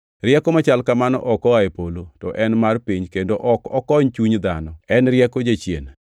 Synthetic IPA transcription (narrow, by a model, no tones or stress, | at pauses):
rjɛkɔmat͡ʃalkamanɔ̰ʔɔkɔaepolotɔʔɛnmarpiɲkendoʔɔkɔkɔɲt͡ʃuɲd̪anɔɛnɾjɛkɔd͡ʒet͡ʃjḛna